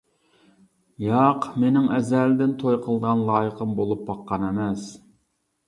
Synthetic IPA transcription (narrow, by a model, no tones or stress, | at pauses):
jɑqmenɪŋɛzæld̪ɪnt̪ʰojqʰəlˠd̪əʁɑnlˠɑːjəqəmbolˠup̚bɑqːɑnɛmɛs